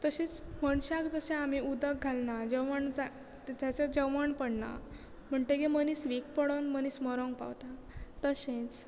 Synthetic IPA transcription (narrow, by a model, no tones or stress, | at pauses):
t̪əɕĩt͡sməɳɕakd͡zəɕẽamiud̪ək̚ɡʱalnad͡ʑəwməɳd͡za | d͡ʑ̪at͡ɕad͡ʑəwməɳpəɽna̰ | m̤əɳʈeɡemənisʋikpəɽənmənismɔɾɔ̃ŋɡ̚pa̰wt̪at̪əɕẽt͡s